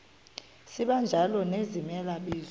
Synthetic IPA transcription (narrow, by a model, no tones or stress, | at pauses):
siɓand͡ʒʱalɔnezimɛlaɓiːz